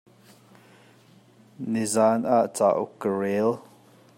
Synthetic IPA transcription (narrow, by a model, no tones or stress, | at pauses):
nizanaʔt͡sa̰ʔukəɹil